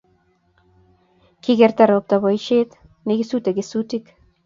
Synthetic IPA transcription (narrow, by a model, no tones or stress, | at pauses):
kiɡeɾt̪aɾop̚t̪aβojʃet̪ | neɡisut̪eɡesut̪ik